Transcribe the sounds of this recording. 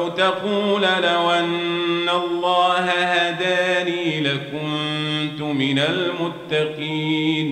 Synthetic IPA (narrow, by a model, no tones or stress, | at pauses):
wt̪ɑquːlalawʔanːalˤːɑːhahaːd̪aːniːlakʊnt̪ʊmɪnalmʊt̪ːɑqiːn